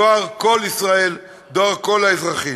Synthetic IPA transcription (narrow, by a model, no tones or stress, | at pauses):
aʁko̞lisʁae̞l | d̪oaʁko̞laezʁaχi